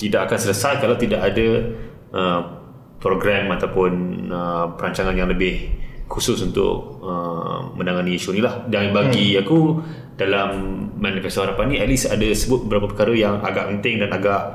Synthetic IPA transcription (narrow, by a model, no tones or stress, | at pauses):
t̪idaʔakansələsajkalawt̪idaʔadə | ʔə | pɾoɡɾɛmat̪awpʊnəpəɾaɲt͡ʃaŋanjaŋləbɪhkusʊsunt̪ʊ̰ʔ̚əmə̃ndaŋaniiʃunilahdanbaɡɡiaku | d̥alamːãnifɛst̪oɦaɾapanĩɛt̪̚lisadəsəbʊt̪̚bəbəɾapəpəkaɾəjaŋa̰ɡa̰ʔpənt̪ɪŋdanaɡaʔ